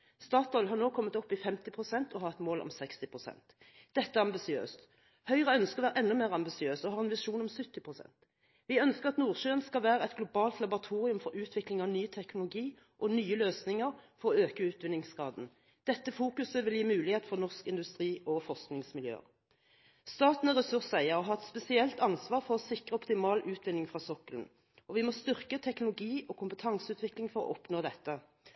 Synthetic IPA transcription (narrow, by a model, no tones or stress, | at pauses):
st̪ɑːt̪ɔʏlɦɑʁnoːkʰɔmːət̪ɔpːɪfɛmt̪ɪpʰʁʊsɛnt̪ʰɔhɑːʁɛt̪moːlʔɔ̰msɛkst̪ɪpʰʁʊsɛ̰nt̪ | d̪̥ɛt̪ːəæʁɑmbɪsɪø̰ːst̪ | hœʏʁəœnskəʁʋæːʁəʔɛnːɔmeːʁɑmbɪsɪøːsɔhɑːʁɛnʋɪʂuːnɔmsʉt̪ːɪpʰʁʊsɛ̰nt̪ | ʋɪœnskəʁɑt̪nuːʁʃøːənskɑlʋæːʁəɛt̪ɡlʊbɑːlt̪lɑbʊʁɑt̪ʰuːʁɪʉmfɔɾʉːt̪ʰʋɪklɪŋɑʋnyːt̪ʰɛknʊlʊɡiː | ʔɔnyːəløːsnɪŋəʁfɔʁɔøːkəʉːt̪ʋɪnːɪŋskɑ̰ːd̪n̩ | d̪̥ɛt̪ːəfuːkʉsəʋɪljiːmʉːlɪheːt̪fɔʁnɔʁskɪnd̪ʉst̪ʁiːʔɔfɔʁsknɪŋsmɪljø̰ːə̰ʁ | st̪ɑːt̪n̩əʁɛsʉʁsæɪəʁɔɦɑɛt̪spɛsɪɛlt̪ɑnsʋɑːʁfɔʁɔsɪkʁəɔpt̪ɪmɑːlʔʉːt̪ʰʋɪnːɪŋfʁɑːsɔkəln̩ | ɔʋɪmoːst̪ʏʁkət̪ʰɛknʊlʊɡiːʔɔkʰʊmpət̪ʰɑŋsəʉːt̪ʋɪklɪŋfɔɾɔ̰ʔɔpnoːd̪ɛt̪ːə